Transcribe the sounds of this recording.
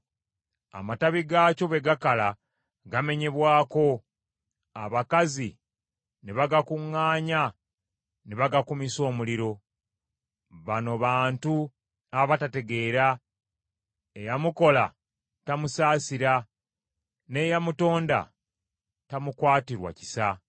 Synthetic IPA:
a̰mataβiɡaːco̞βe̞ɡakala | ɡame̞ɲe̞βwaːko̞ | a̰βakazi | neβaɡakuŋːaːɲa | neβaɡakumiso̞ːmuliɾo̞ | βano̞βaːntu | aβatate̞ɡe̞ɾa | ejamuko̞la | tamusaːsiɾa | ne̞jamuto̞ːnda̰ | tamukwaːtiɾwa̰ci̥sa

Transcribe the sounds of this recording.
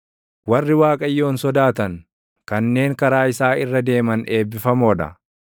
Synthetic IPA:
wɐrːɪwaːkʼɐjːo̞ːnsɔd̪aːt̪ɐŋ | kɐnːe̞ːŋkɐɾaːɪsaːɪrːɐd̪e̞ːmɐne̞ːbːɪfɐmoːᶑɐ̰

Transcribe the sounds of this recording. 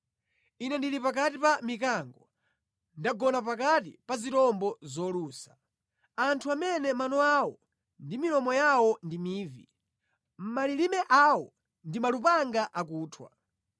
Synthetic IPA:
inɛndilipak̬at̬ipamikaŋɡɔ | ndaɡɔnap̬ak̬atḭpazitɔmbɔzɔluːsḁ | antʰuamɛnɛmanɔawɔ | ndimilɔmɔjawɔndimiːvḭ | m̩malilimɛʔawɔ | ndimalupaŋɡaʔakuːtʰwa̰

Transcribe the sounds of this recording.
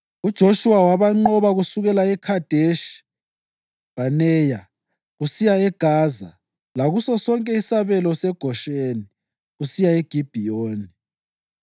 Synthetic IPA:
ud̥ʒ̥ʱoʃuwawaβaŋ͡ǃɔβaɣusuɣɛlaɛkʰad̥ʱeʃ | b̥ʱanɛːja | ɣusijaɛɡ̥ʱaːza̰ | laɣusɔsɔŋkʼɛisaβɛlɔsɛɡ̥ʱɔʃeːni | ɣusijaeɡ̥ʱib̥ʱijoːni

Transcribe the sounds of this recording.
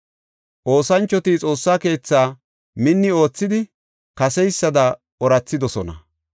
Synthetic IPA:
ʔo̞ːsɐnt͡ʃːɔt̪it͡sʼo̞ːsːaːke̞ːt͡sːaː | mɪnːɪo̞ːt͡sːɪd̪ɪ | kɐsɛjsːɐd̪ɐ | ɔɾɐt͡sːɪd̪ɔsɔnɐ̰

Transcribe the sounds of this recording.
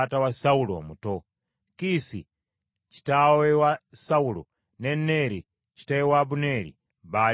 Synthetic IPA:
tawasaulɔwa̰mutɔ | kisi | t͡ʃi̥tawɛwasaulɔ̰ | nɛnɛɾi | t͡ʃi̥tawɛwabunɛɾḭ | ba

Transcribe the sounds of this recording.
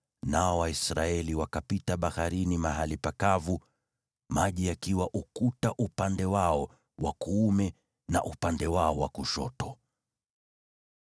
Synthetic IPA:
naɔwaisɾaɛliwakapitaɓahaɾinimaɦalipakavu | maʄiakiwaʔukutaʔupandɛwaɔ | wakuumɛ | na̰ʔupandɛwaɔwakuʃɔ̰tɔ

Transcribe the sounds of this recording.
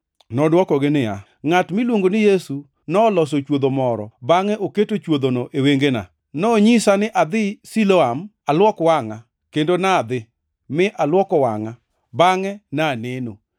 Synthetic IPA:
nɔdwɔkɔɡɪnɪa̰ | ŋatmilwoŋɡonɪjesu | nɔːlɔs̬ot͡ʃwod̪omɔɾɔ̰baŋɛʔoketot͡ʃwod̪onoʔeweŋɡena̰ | nɔɲisanɪʔad̪ɪsiloam | alwɔkwaŋa | kendonad̪ɪ | mɪʔalwɔkɔwa̰ŋa | baŋɛnaneno

